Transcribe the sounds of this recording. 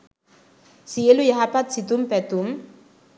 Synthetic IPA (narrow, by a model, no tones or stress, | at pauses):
sielujaɦapat̪̚sit̪umpɛt̪um